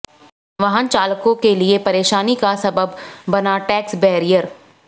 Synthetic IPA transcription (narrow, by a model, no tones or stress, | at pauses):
ʋɐɦənt͡ʃaːlkõkeliepɐɾeːʃaːnikasɐbəbːɐnaʈɛːksbɛɦɾijəɾ